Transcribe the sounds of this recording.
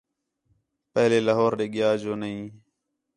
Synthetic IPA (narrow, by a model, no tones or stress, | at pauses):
pəɦleːlaɦoːɾɗeːɠɪjaːd͡ʒoːnəɦĩː